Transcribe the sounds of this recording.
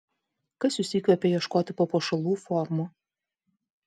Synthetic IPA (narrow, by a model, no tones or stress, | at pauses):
kɐsjʊsʲɪkʲʋʲɛpʲɛjiɛʃkoːt̪ʲɪpoːpoːʃɐlˠuːfɔɾmʊ